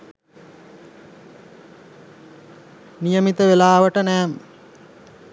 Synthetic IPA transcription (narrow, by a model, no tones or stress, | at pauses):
nijəmit̪əʋelaːʋəʈənæːmə̰